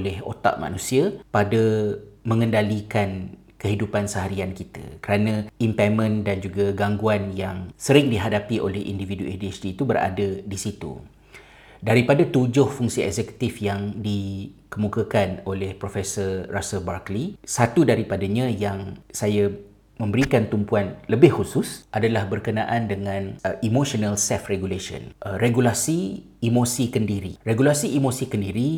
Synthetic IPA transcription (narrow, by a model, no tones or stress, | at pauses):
lɛho̰t̪a̰ʔma̰nũsiapadəmə̃ŋəndalikan | kəɦidupansəɦaɾiankit̪a̰kəɾanãimpamə̃ndand͡ʒuɡaɡaŋɡuanjaŋsəɾɪŋdiɦadapiʔo̰lɛhʔḭndividuediɛsdiːt̪ubəɾa̰dədisit̪ṵ | daɾipadat̪ud͡ʒʊhfuŋsiɛ̰ɡzɛku̥t̪ifjaŋdikəmũkakanolɛhpɾofɛsərrasəlbarklisat̪udaɾipadaɲãjaŋsaja | mə̃mbəɾikant̪umpuanləbɪhhusʊsʔadalahbərkənãʔandəŋãnʔimoʃonalsɛfreɡuleʃə̰nʔreɡulasiː | mosikəndiɾireɡulasiːmosikəndiɾi